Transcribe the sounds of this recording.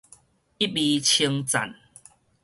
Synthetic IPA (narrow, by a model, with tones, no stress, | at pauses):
i˦bi˧t͡ɕʰi˧ŋt͡sa̰˨˩n